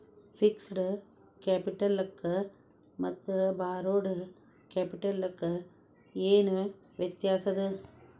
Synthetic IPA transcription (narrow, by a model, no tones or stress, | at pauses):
pʰiksɖɨ | kaːpiʈɐlːɐkːɨ | mɐt̪ːubaːɾoːɽu | keːpiʈɐlːɐkːɨ | eːnu | ʋjɐt̪jaːsɐd̪ɨ